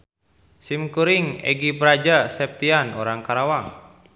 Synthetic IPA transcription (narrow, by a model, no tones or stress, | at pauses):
simkuɾiŋɛ̰ɡipɾad͡ʒasɛp̚t̪ianɔɾaŋkaɾawaŋ